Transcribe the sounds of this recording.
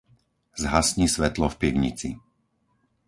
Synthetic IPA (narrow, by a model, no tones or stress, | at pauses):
zɦasɲiːsʋɛt̪lɔfpiʊɲḭt͡si